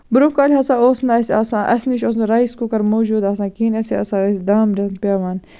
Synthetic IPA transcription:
buɾupkaːlʲɦɐsãːoːsnaːsʲaːsãːʔɐ̰sniʃos̬nɾaiskukɐɾmoːd͡ʒuːd̪aːsãːkiːnɐsiɐ̰sãːesʲd̪aːmd͡ʒɐnpʲaːʋaːn

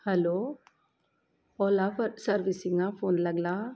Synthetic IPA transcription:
hɛlo | ɔlasəɾʋisiŋapʰoːnləɡla

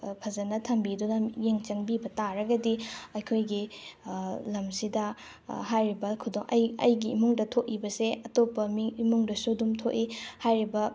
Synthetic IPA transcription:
pʰɐzɐnɐtʰɐmbidunɐjeŋt͡ʃɐŋbibɐtaɾɐɡɐdiɐjkʰojɡi | lɐmsidɐ | ɦajɾibɐkʰudoŋʔɐ̰jɐ̰jɡiːmuŋdɐtʰoʔ̚ibɐseɐtopːɐmiːmuŋdɐsudumtʰoʔihajɾibɐ

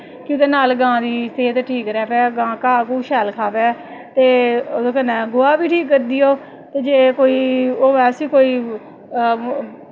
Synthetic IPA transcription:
kjʊ̃ːk̪eːnaːlɡãːd̪iːst̪ʰeːt̪ʈʰiːkɾɛːpɛːɡãːkaːkuːʃɛːlkʰaːpɛː | t̪eːod̪õːkənɛ̃ːɡʊaːbiːʈʰiːkːəɾd̪ijoː | t̪eːd͡ʒeːkoːiːoːɛːsiːkoːiː

